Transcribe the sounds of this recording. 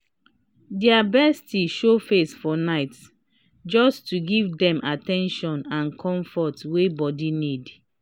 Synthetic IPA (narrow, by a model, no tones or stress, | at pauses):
dɛabɛstiʃofesfɔnaɪt | d͡ʒɔstuɡivdɛ̃mʔatɛ̃nʃɔ̃nãnkʰɔ̃ɱfɔtwebɔdinid